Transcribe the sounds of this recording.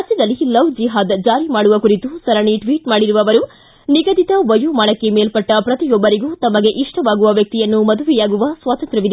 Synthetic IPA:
ɐt͡ʃːid̪ɐlːilɐwd͡ʒiɦaːd̪d͡ʒaːɾimaːɽuʋɐkuɾit̪usɐɾɐɳiʈʋiːʈmaːɽiɾuʋɐʋɐɾu | niɡɐd̪it̪ɐʋɐjumaːɳɐkːe̞meːlpɐʈːɐpɾɐt̪ijɔbːɐɾiɡuːt̪ɐmɐɡe̞ʔiʂʈʰɐʋaːɡuʋɐʋjɐk̚t̪ijɐnːumɐd̪uʋijaːɡuʋɐsʋaːt̪ɐnt̪ɾɐʋid̪e

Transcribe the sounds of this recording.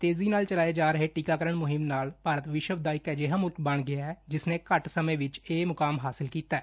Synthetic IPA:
t̪eːziːnaːlt͡ʃəlaːeːd͡ʒaːɾəɦeːʈiːkaːkəɾəɳmʊɦɪmnaːlpaːɾət̪ʋɪʃəʋd̪aːɪkɛːd͡ʒeɦãːmʊlkbəɳɡɪaːɛːd͡ʒɪsnẽːkəʈsəmẽːʋɪt͡ʃeːmʊkaːmɦaːsɪlkiːt̪aː

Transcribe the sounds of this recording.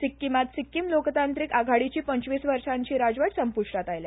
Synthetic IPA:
sikːimat̪sikːiːmlokt̪ant̪ɾikaɡʱaɽit͡ɕiːpəɲt͡ɕʋiːsʋəɾʂaɲt͡ɕiːɾad͡ʑʋaʈsəmpuʂʈat̪ajlja

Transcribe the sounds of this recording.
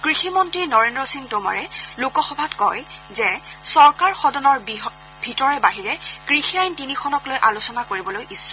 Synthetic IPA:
kɹiximɔntɹinɔɹendɹɔsiŋtoma̰ɹɛlokɔxɔbʱatkɔjzɛsɔɹkaɹxɔdɔnɔɹb | bʱitɔɹɛbaɦiɹɛkɹixiajntinixʰɔnɔklojʔalusɔnakoɹibɔlojʔisːɔ

